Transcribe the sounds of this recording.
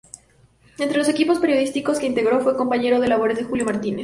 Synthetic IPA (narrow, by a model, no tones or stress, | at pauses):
ent̪ɾelo̞s̬e̞kipo̞speɾjo̞ðist̪iko̞ske̞int̪eɣɾo̞fweko̞mpaɲe̞ɾo̞ðelaβoɾezðexuljo̞maɾt̪ines